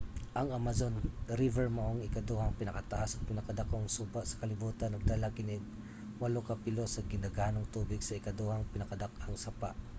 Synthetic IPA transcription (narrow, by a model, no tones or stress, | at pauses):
ʔɐŋamazo̞nɾɪvɛɹmɐʔoŋɪkɐd̪ohɐŋpɪnɐkɐt̪ɐʔasɐt̪̚pɪnɐkɐd̪ɐkoŋsuːbaʔsɐ̥kɐlɪbuːt̪ɐnɐɡ̚d̪ɐlakɪnɛɡ̚ | wɐlokɐpɪlosɐɡɪnaɡaːnoŋt̪uːbɪɡsɐɪkɐd̪ohaŋpɪnɐkɐd̪akaŋsɐpa̰ʔ